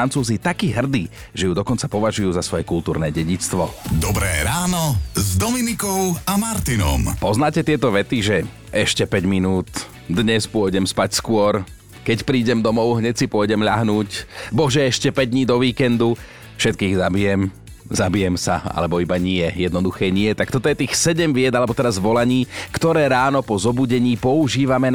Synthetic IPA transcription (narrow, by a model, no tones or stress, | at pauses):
ant͡suːzit̪akiːɦr̩d̪iː | ʒɛjud̪ɔkɔnt͡sapɔʋaʒujuːzasʋɔjɛkult̪uːɾnɛːɟɛɟit͡st̪ʋɔd̪ɔbɾɛ̰ːɾaːnɔzd̪ɔminikɔʊamaɾt̪inɔ̰mpɔznaːcɛt̪ɪɛt̪ɔʋɛt̪iʒɛ | ʔɛʃcɛpɛɟminuːt̪ | d̪ɲɛspʊɔɟɛmspacskʊɔɾ | kɛcpɾiːɟɛmd̪ɔmɔʊɦɲɛcsipʊɔjɟɛmʎaɦnuːcbɔʒɛɛʃcɛpɛɟ̚d̪ɲiːd̪ɔʋiːkɛnd̪u | fʃɛt̪̚kiːɣzabijɛm | zabijɛmsaa̰lɛbɔibaɲɪɛjɛd̪nɔd̪uxɛːɲɪɛt̪akt̪ɔt̪ɔjɛt̪iːxsɛɟɛmʋɪɛd̪alɛbɔt̪ɛɾazʋɔlaɲiːkt̪ɔɾɛːɾaːnɔpɔzɔbuɟɛɲiːpɔuʒiːʋamɛ